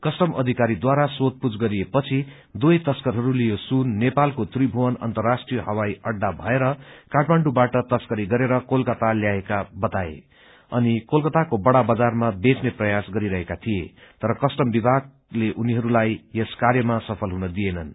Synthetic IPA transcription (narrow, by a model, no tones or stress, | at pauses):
kʌsʈʌmʔʌ̰d̪ʱikaɾid̪waɾasot̪̚pud͡zɡʌɾijepʌt͡sʰi | d̪ujt̪ʌskʌɾɦʌɾulijosunːepalkot̪ribʱuwʌnʌ̰nt̪ʌrːasʈrijʌɦʌwajʌɖːabʱʌeɾʌkaʈmaɳɖubaʈʌt̪ʌskʌɾiɡʌɾeɾʌkolkʌt̪aljaekabʌt̪aḛ | ʌnikolkʌt̪akobʌɽabʌd͡zarmabet͡sneprʌjasɡʌɾiɾʌɦekat̪ʰijet̪ʌɾʌkʌsʈʌmbibʱaɡ̚ | leʔuniɦʌɾulajeskaɾjʌmasʌpʰʌlɦunʌd̪ijenʌn